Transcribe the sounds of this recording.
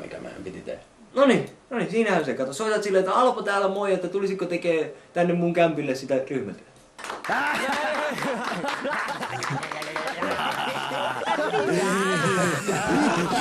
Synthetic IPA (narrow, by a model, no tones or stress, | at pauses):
mḭkæ̰mæ̰ḛmpit̪it̪ḛhæ | noninoninsiːnæhænsekɑt̪osoˑit̪ɑt̪silːeet̪ːæɑlpot̪æːlæmoijɑet̪ːæt̪ulisikkot̪ekeːt̪ænːemmuŋkæmpilːessit̪æryhmæt̪y | niː